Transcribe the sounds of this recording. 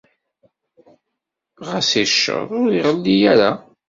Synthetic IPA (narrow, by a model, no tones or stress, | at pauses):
ʁəsiʃːə̰ðˤʊɾiʁəlːijæɾa